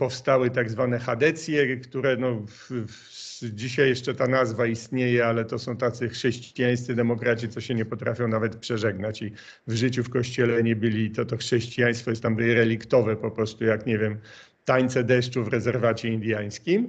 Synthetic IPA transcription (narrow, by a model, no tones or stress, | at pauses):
pɔfst̪awɘt̪aɡzvanɛxad̪ɛt̪sʲjɛkt̪uɾɛnɔ | d͡ʑiɕajːɛʂt͡ʂɛt̪anazvaist̪ɲejɛalɛt̪ɔsɔ̃w̃t̪at̪sɘxʂɛɕt͡ɕijaj̃st̪sɨd̪ɛmɔkɾat͡ɕit̪sɔɕɛɲɛpɔt̪ɾʔafʲjɔ̃w̃navɛt̪pʂɛʐɛɡnat͡ɕi | vʐɘt͡ɕufkɔɕt͡ɕɛlɛɲɛbɘlʲit̪ɔt̪ɔxʂɛɕt͡ɕijaj̃st̪fɔjɛst̪amb̪ɾɛlʲikt̪ɔvɛpɔpɾɔst̪ujakɲɛvʲjɛm | t̪aɲt̪sɛd̪ɛʂt͡ʂuvɾɛzɛɾvat͡ɕɛind̪ʲjaj̃skʲim